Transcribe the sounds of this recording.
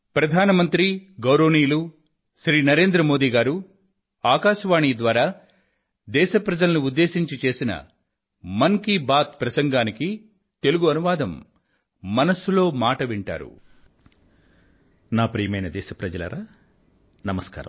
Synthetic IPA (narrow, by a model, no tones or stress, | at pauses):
pɾɐd̪ʱaːnɐmɐnt̪ɾiɡɐwɾoːniːlu | ʃɾiːnɐɾe̞ːnd̪ɾɐmo̞ːd̪iːɡaːɾu | aːkaːʃɐʋaːɳid̪ʋaːɾaː | d̪ɛːʃɐpɾɐd͡ʒɐlɐnuud̪ːe̞ːsiɲt͡ʃit͡ʃe̞ːsinɐ̰ | mɐŋkibaːt̪pɾɐsɐŋɡaːniki | t̪e̞luɡuɐnuʋaːd̪ʱɐmː | ɐnɐsulo̞ːmaːʈɐʋiɳʈa̰ːɾṵ | naːpɾijɐmɐjnɐd̪ɛːʃɐpɾɐd͡ʒɐlɐ̰ɾaː | nɐmɐska̰ːɾɐ̰m